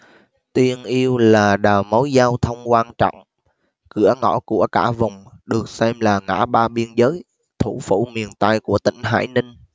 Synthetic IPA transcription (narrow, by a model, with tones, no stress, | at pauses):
t̪i˨˧ənʔi˧əwlaː˨˩ɗaː˨˩wmə˨˦wjzaː˧wt̪ʰə˧wŋ͡mkwaː˧nt͡ɕɔ̰˧˨wŋ͡m | kɨ̰˧˩əŋɔ̰˧˥ku˧˩əkaː˧˩vʊ˨˩ŋ͡mɗɨ˨˩ək̚sɛ˧mlaː˨˩ŋa̰ː˧˥ɓaː˧ɓi˧ənzəː˨˦j | t̪ʰu˧˩fṵ˧˩mi˨˩ənt̪a˧jku˧˩ət̪ḭ̈˧˩ŋ̟ɦa̰ː˧˥jnï˧ŋ̟